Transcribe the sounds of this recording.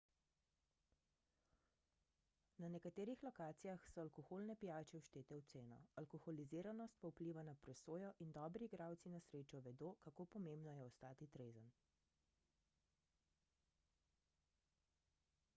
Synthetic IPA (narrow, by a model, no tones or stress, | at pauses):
nanɛkat̪eːɾixlɔkaːt̪sijaxsɔalkɔxoːlnɛpijaːt͡ʃɛwʃt̪eːt̪ɛwt̪seːnɔ̰alkɔxɔliziːɾanɔst̪paupliːʋanapɾɛsoːjɔʔind̪ɔːbɾiɡɾawt̪sinasɾeːt͡ʃɔʋɛd̪oːkakoːpɔmembnɔjɛɔst̪aːt̪it̪ɾeːzən